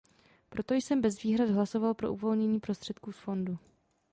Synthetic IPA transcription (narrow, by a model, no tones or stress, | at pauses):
pɾo̞t̪o̞jsɛmbɛzviːɦɾad̪ɦlaso̞valpɾo̞ʔuvo̞lɲɛɲiːpɾo̞st̪r̥ɛt̪kuːsfo̞ndu